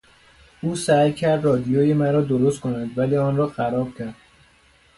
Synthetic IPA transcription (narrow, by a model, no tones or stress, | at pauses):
uːsæjcʰæɾd̪rɒːd̪ijoːjemæɾɒːd̪oɾost̪kʰonænd̪væliːɒːnrɒːxæɾɒːb̥̚cʰʲæɾd̪̥